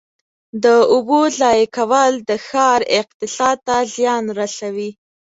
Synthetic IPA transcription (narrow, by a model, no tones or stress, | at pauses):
d̪əʊbolɑjakawəld̪əxɑɾɪq̚t̪ɪsɑd̪̚t̪azjɑnɾasawi